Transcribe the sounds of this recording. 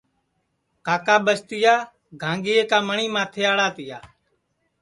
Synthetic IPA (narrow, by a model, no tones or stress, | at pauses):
kaːkaːɓəst̪ɪjaː | ɡʱãːŋɡɪːeːkaːməɳiːmãːt̪ʰeːaːɭaːt̪ɪjaː